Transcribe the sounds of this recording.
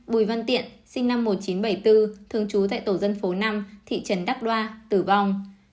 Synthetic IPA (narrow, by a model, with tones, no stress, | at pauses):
ɓu˧˩jva˧nt̪ḭ˧˨ənsï˧ŋna˧mːo˨˩t̚t͡ɕi˨˦nɓə˧˩jt̪ɨ˧t̪ʰɨ˨˩əŋt͡ɕu˨˦t̪a̰ː˧˨jt̪o˧˩zə˧nfo˨˦na˧mt̪ʰḭ˧˨t͡ɕə˨˦nɗa˦˥k̚ɗwaː˧t̪ɨ˧˩va˧˩wŋ͡m